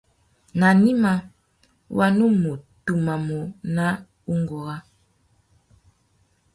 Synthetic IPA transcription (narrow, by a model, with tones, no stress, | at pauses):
na˨ni˦ma˨ | wa˨nu˦mo˨tu˨ma˨mo˨na˦ | u˦ŋɡɔ˨ɣa˦